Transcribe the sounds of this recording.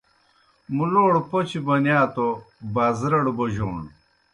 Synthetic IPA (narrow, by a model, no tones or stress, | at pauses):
muloːɽpot͡ɕibɐnjaːt̪obaːzɾɐɽboʑo̰ːɳ